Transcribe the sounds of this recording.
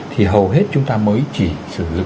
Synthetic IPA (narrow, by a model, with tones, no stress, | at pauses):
t̪ʰi˨˩ɦə˨˩wɦe˦˥t̚t͡ɕʊ˨˦ŋ͡mt̪aː˧məː˨˦jt͡ɕi˧˩sɨ̰˧˩lɨ˨˩